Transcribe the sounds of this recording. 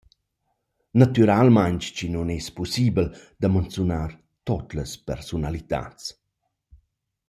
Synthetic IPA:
nat̪yɾalmaɲt͡ʃt͡ʃinunɛspusibəld̪̥amant͡sunar | t̪ɔt̪ləspɛ̰ɾsunalit̪a̰t͡s

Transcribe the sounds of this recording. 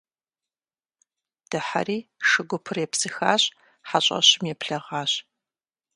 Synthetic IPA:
d̥ɨħa̰riːʂɨɡʷʊpʰɨrjɛpsɨxaːɕ | ħaɕʼɐ̰ɕɪmjɛpʰɬɐʁɑːɕ

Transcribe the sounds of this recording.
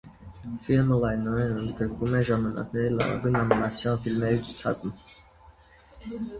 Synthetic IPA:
filməlɑjnɔɾɛnənd̪ɡəɾkvumɛʒɑmɑnɑ̰knɛɾilɑ̰vɑ̰ɡujnɑnimɑt͡sʰjɑnfilmɛɾit͡sʰu̥t͡sʰɑ̰kum

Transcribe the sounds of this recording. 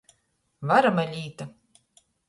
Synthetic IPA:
vaɾamalʲiːt̪a

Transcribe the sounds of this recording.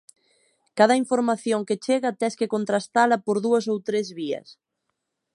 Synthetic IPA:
kað̞ɐiɱfoɾmaθjoŋket͡ʃeɣɐt̪ɛskekont̪ɾast̪alɐpoɾðuɐsowt̪ɾezβiɐ̰s

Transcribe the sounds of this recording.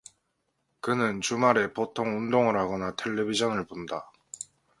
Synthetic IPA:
kɯnɯnt͡ɕumaɾe̞potʰoŋundoŋɯɾɦaɡʌnatʰe̞ʎːebid͡ʑʌnɯɭponda

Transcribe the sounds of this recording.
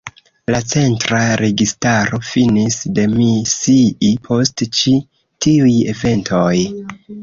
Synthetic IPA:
lat͡se̞ntɾaɾe̞ɡistaɾo̞finisde̞misiʔipʰo̞stt͡ʃi | tiuje̞ve̞ntʰo̞j

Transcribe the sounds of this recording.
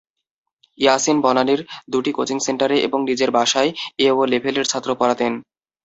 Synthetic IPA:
jasenbɔlaneɾd̪uʈikot͡ɕiŋseɳʈaɾeʔḛboŋnid͡ʑeɾbʱaʃaeeolebʱeleɾt͡ɕʰat̪ːɾopɔɾat̪en

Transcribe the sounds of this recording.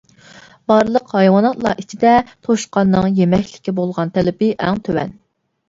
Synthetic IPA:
bɑɾlˠəqhɑjwɑnɑt̪lˠɑ̰ʔit͡ʃʰid̪ɛt̪ʰoʃqɑnːɨŋjemɛkʲlɪ̥kʲibolˠʁɑnt̪ʰɛlɪpɪʔɛŋt̪ʰøwɛ̰n

